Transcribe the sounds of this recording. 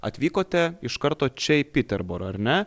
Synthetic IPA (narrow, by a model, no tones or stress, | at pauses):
ɐ̰t̪ʲʋʲiːkoːt̪ʲɛɪʃkɐɾt̪oːt͡ʃʲɛɪpʲɪt̪ʲɛɾboɾɐɾʲnʲɛ